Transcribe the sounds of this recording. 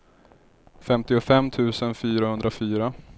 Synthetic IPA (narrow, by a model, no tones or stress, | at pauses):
fɛmt̪ɪʊfɛmːt̪ʰʉ̟ːsənfyːɾahɵnd̪ɾafyːɾa